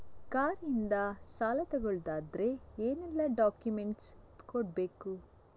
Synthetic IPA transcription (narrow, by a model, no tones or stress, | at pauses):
kaːɾind̪ɐsaːlɐt̪ɛɡoɭd̪aːd̪ɾe̞eːnɛlːɐɖaːkjumeɳʈskoɽbeːku